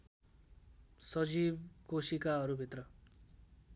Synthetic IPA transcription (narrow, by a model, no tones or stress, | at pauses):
sʌd͡zibkosikaɦʌɾubʱit̪rʌ